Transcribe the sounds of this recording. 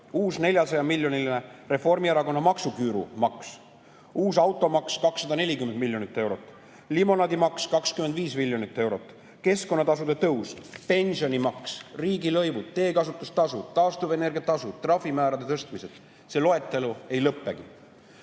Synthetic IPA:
uːsne̞lʲjɑsɑjɑmilʲːjo̞nilinere̞fo̞rmieɾɑko̞nːɑmɑksukyːɾṵmɑks | uːsɑwt̪ːˑo̞mɑkskɑksːɑd̪ɑne̞lʲikymend̪milʲːjo̞nit̪ːˑe̞wɾo̞t̪ːˑ | limo̞nɑd̪imɑkskɑkskymed̪viːsmilʲjo̞nit̪ːˑe̞wɾo̞t̪ːˑ | ke̞sko̞nːɑt̪ɑs̬ud̪e̞t̪ɤwspe̞nʲsio̞nimɑksriːɡilɤjvud̪̥̚t̪ːe̞ːkɑsut̪ːˑust̪ɑsud̪t̪ɑːst̪uve̞ne̞rɡ̥ʲiɑt̪ɑsud̪t̪rɑfimæːɾɑd̪e̞t̪ɤst̪mise̞d̪ | se̞ːlo̞e̞t̪ːˑe̞lue̞jlɤpːeɡ̥i

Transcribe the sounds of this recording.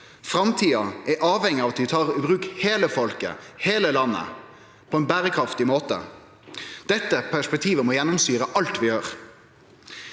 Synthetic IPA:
fɾɑmt̪ʰiːɑʔɛʔɑːʋɛŋɪɑːʋɑt̪ʋɪt̪ʰɑːʁbʁʉːkheːləfɔlkə̰heːləlɑnːə̰ | pʰɔːɛnbæːʁəkʰɾɑft̪ɪmoːt̪ə̰ | d̪̥ɛt̪ːəpʰæʂpɛk̚t̪ʰiːʋəmɔjɛnːʊmsyːɾəʔɑlt̪ʋɪjøːʁ

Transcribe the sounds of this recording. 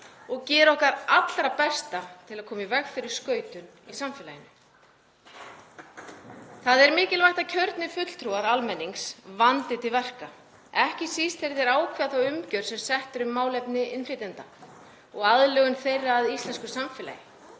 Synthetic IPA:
ɔɣcɛːɾɔhkaɾat̪lɾapɛst̪at̪ʰɪlaðkʰɔːmivɛxfɪɾɪɾ̥skœːɥt̪ʏn | isamfɛlaːjɪnʏ | θaðɛɾmɪːcɪlvajht̪acʰœɾt̪nɪfʏt̪l̥t̪ʰɾuaɾalmɛnːiŋksvant̪ɪt̪ʰɪlvɛr̥ka | ɛhcɪsist̪eɾðɛɾaːwkʰvɛðaθawʏmcœɾ̥sɛmsɛht̪ʏɾʏmːaːwlɛpnɪʔɪnfrɪːt̪ɛnt̪a | ɔɣaðlœːɣʏnθejrːaːðist̪lɛnskʏsamfɛːla̰jɪ

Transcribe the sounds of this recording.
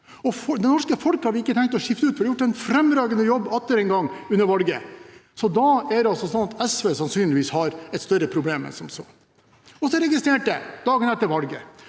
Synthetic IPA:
ɔfɔd̪ɛnɔʂkəfɔlkhɑɾʋɪɪkːət̪ʰɛŋkt̪ɔʂɪft̪əʉːt̪fɾjʊʈːɛnfɾɛmːɾɑːɡənəjɔbːɑt̪ːəɾɛnɡɑŋːʉnːəɾʋɑlɡə̰sɔd̪ɑæɖɛɑlsɔsɔnːɑt̪ɛsʋeːsɑnsyːnlɪʋiːshɑɾɛt̪st̪œɾəpʰɾʊbleːmɛ̰sɔmsɔ | ɔsɔɾɛɡɪst̪ɾeːʈɛd̪̥ɑːɡənɛt̪ːəɾʋɑlɡə̰

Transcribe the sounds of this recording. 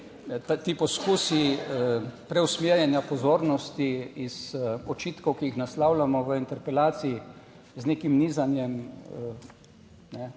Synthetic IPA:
t̪at̪ipɔskusi | pɾɛwsmjeːɾjɛnjapɔzoːɾnɔst̪iizɔt͡ʃiːt̪kɔwkiixnaslaːwlamɔʋəint̪ɛɾpɛlaːt̪sii | zneːkimniːzanjɛmə | nɛ

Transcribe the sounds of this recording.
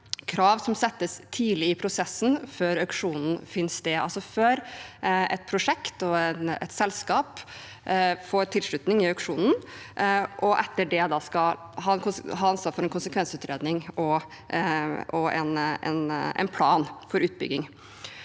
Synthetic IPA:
kʰɾɑːʋsɔmsɛt̪ːəst̪ʰiːlɪɪpʰɾʊsɛsːn̩føːɾœʉkʂuːnn̩fɪnsd̪ɛɑ̰lsɔføːɾ | ɛ̰t̪̚pʰɾʊʂɛkt̪ɔɛnɛ̰t̪sɛlskɑːp | foːʈ̪ʰɪlʂɭʉt̪nɪŋɪœʉkʂuːnn̩ | ʔɔʔɛt̪ːəɖɛd̪ɑːskɑlɦɑːɛnkʊɦɑːɑnsʋɑfɔɾɛnkʊnsəkʰʋɛnsʉːt̪ɾeːd̪nɪŋʔɔ | ɔɛ̰nɛ̰nɛ̰ɪnpʰlɑːnfɔɾʉːt̪̚bʏ̰ɡɪ̰ŋ

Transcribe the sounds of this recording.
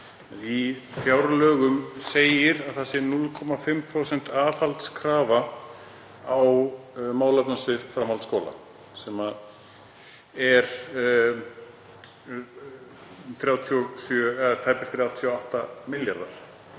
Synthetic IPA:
ifjaːwɾlœːɣʏmseːjɪɾaðθasɪnʊlkʰɔmafɪmpʰɾowsɛn̥t̪aːfalt̪skʰɾaːva | awmaːwlœp̚nasvɪɾfɾamhalt̪skoːwla̰ | sɛmað | ɛɾ | θɾjaːwt̪ʰiɔsjœt̪ʰaːjpɪɾ̥θɾjaːwt̪ʰiɔawht̪amɪljaɾða̰ɾ̥

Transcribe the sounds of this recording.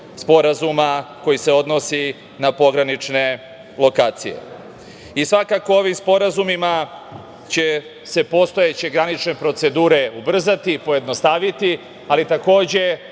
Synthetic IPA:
spo̞ɾazumako̞jise̞o̞d̪no̞si | napo̞ɡɾanit͡ʃne̞ | lo̞kaːt̪sije̞̰ | isʋakaːko̞o̞ʋimspo̞ɾazumima | t͡ɕe | se̞po̞st̪o̞jet͡ɕe̞ɡɾanit͡ʃne̞pɾo̞t̪se̞d̪uːɾe̞ubr̩zat̪ipo̞je̞d̪no̞st̪aʋit̪i | alit̪ako̞ːd͡ʑe̞

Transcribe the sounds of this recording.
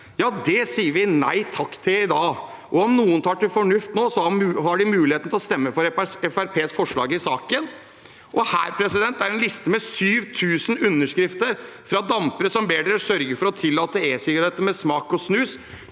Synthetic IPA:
jɑːd̪ɛsiːəɾʋɪnæ̰ɪt̪ʰɑkːt̪ʰɪlɪd̪ɑː | ʔɔɔmnuːənt̪ʰɑːʈɪlfɔɳʉft̪noːsɔɑhɑɖɪmʉːlɪheːt̪n̩t̪ʰɪlɔst̪ɛmːəfɔɾɛfæɾpʰeːsfɔʂɭɑ̰ːɡɪsɑːkən | ʔɔhæ̰ːɾpʰɾɛsɪd̪ɛnt̪æɾɛnlɪst̪əmɛsyːʋt̪ʰʉːsənʉnːəʂkɾɪft̪əɾfɾɑd̪ɑmpəɾəsɔmbeːd̪ɾəsœɾɡəfɔɾɔt̪ʰɪlːɑːt̪əeːsɪɡəɭɛt̪ːəmɛsmɑːkɔsnʉːs

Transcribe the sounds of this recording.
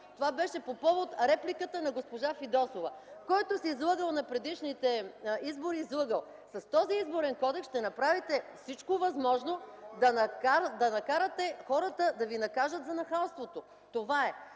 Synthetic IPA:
t̪ovabɛʃɛpopɔvot̪ɾɛplikət̪ənɐɡospoʒafid̪ɔsovɐkɔjt̪osizlˠɤɡəlˠnɐpɾɛd̪iʃnit̪ɛizboɾizlˠɤɡəlˠ | sɐst̪ɔziizboɾɛnkɔd̪ɛksʃt̪ɛnɐpɾavit̪ɛfsit͡ʃkovɐzmɔʒnod̪ɐnɐkad̪ɐnɐkaɾət̪ɛxɔɾət̪əd̪ɐvinɐkaʒət̪zɐnɐxalˠst̪vot̪o | t̪ovaɛ

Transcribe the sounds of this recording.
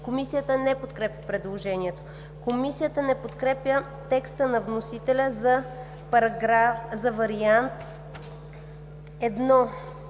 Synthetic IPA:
komisijət̪ənɛpot̪kɾɛpʲjəpɾɛd̪lˠoʒɛniɛt̪o | komisijət̪ənɛpot̪kɾɛpjə | t̪ɛkst̪ənɐvnosit̪ɛlʲəzɐ | pɾɡɾafzɐvɐɾiant̪ | ɛd̪nɔ

